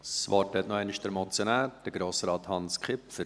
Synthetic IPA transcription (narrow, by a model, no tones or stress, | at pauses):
sʋɑːtɛt̪nɔɛɪnɪʃd̥əɾmɔt͡sjonæːɾd̥əɡɾoːsɾɑːt̪hɑnskχɪpfəɾ